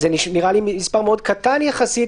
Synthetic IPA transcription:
eniʃniʁalimispaʁmeo̞d̪kat̪anjaχasi

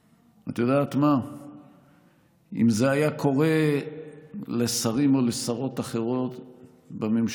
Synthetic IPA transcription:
at̪ajodaːt̪ma | ḭmze̞ajakʰo̞ʁe̞ | le̞saʁimo̞lesaʁo̞t̪aχe̞ʁo̞t̪ | bamemʃ

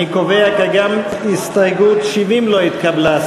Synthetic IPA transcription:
ikovɛjakaɡam | ist̪ajɡut̪ʃivimloit̪kʰablas

